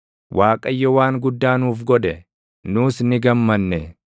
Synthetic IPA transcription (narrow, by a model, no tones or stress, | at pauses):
wʔaːkʼɐjːɔwaːŋɡʊd̪ːaːnuːfɡɔd̪ɛ | nuːsnɪɡɐmːɐnːɛ